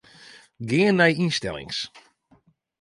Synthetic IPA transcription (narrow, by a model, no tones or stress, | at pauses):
ɡɪːənːɛjinstɛ̰lɪ̰ŋs